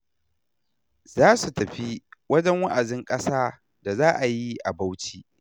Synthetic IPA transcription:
zaː˦su˨tɐ˨ɸi˦wɐ˦d͡ʒɛ˦ŋwa˦ʔa˨dɪ˦ŋkʼɐ˦saː˦ | da˨zaː˦ʔa˨ji˦ʔa˨ba˦wt͡ʃiː˨ʔ

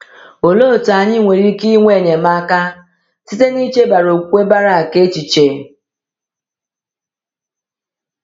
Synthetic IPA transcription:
o˨lo˦˨ta˨ɲɪ˦ŋʷe˨ɾi˦ki˦ŋʷe˦˨ne˨ma˦ka˦ | si˦te˦ni˦t͡ʃe˦ba˨ɾo˨kʷe˦ba˦ɾa˨a˨ke˦t͡ʃi˨t͡ʃe˨

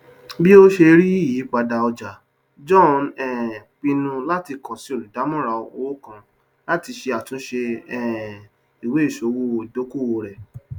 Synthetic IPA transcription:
bi˦o˦ʃe˧ɾi˦i˦˨jiː˨˦k͡pa˧da˧ɔ˧d͡ʒa˨ | d͡ʒɔ̃˦˨nɛ˨k͡pi˧nũ˧la˦ti˧kɔ˨si˨˦o˦˨lu˨da˨˦mɔ̃˦˨ɾa˧o˨o˨˦o˦kã˧ | la˦ti˧ʃe˧a˨tũ˨˦ʃe˧ɛ˦˨ | i˨we˨˦˨ʃo˨˦wo˧˨i˨do˨˦ku˦˨wo˧ɾɛ˨

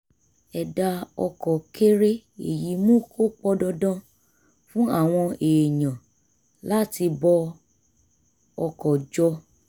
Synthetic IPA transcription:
ɛ˨da˧ɔ̰˧kɔ˨kʰe˦ɾe˦ | ḛ˨ji˨˦mũ˦kʰo˦k͡pɔ˦dɔ˧dã˦ | fũ˦a˦˨w̃ɔ̃˧e˨ɲã˨ | la˦ti˧bɔ˧ | ɔ˧kɔ˨d͡ʒɔ˧

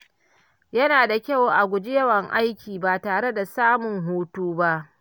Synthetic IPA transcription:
jɐ˦naː˨da˨kʲɐ˦wʔa˨ɡʷʊ˨d͡ʒɪ˦jɐ˦wɐ˨ŋʔa˦jkʲiː˨baː˨taː˨ɽe˦da˨saː˦mʊ˨ŋɦuː˦tuː˦ba˦ʔ

